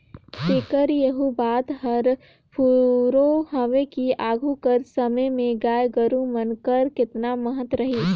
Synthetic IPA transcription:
t̪eːkəɾjəɦubaːt̪ɦɐɾ | pʰuɾoɦɐʋekiaːɡʱukəɾsɐməjmẽɡaːjɡəɾũmənkəɾkɪt̪naməɦət̪ɾɐɦiː

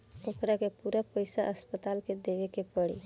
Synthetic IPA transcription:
okɾakepuɾapəjsaʔəspət̪alked̪eʋekepəɽḭ

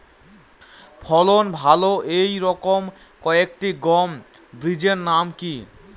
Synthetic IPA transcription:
pʰɔlonbʱaloʔejɾɔkom | kɔek̚ʈiɡɔm | bɾid͡ʑeɾnamki

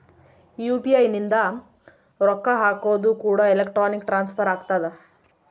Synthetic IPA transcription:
juːpiɐjnind̪a | ɾɔkːaɦaːkoːd̪ukuːɽaːelekʈɾaːnikʈɾaːnspʰɐɾaːkt̪aːd̪a

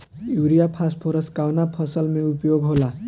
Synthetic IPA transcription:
juɾijapʰasʈpʰoɾəskawnapʰʌsəlmẽupjoɡɦola

